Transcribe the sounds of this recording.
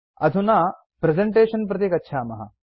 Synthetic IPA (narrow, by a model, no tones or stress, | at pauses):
ɐd̪ʱunaː | pɾezeɳʈeːʃɐnp̬ɾɐt̪ikɐtːʃʰaːmɐɦɐ̰